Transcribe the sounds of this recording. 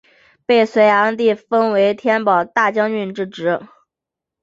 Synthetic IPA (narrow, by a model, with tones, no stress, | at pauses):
pe˥˩ɪswe˧˥ɪja˧˥t̪i˥˩fə˥nwe˧˥ɪt̪ʰjɛ˥npɑ˨˩ʊt̪a˥˩t͡ɕjɑ˥ŋy˥˧nʈ͡ʂɻ̩˥˩ʈ͡ʂɻ̩˧˥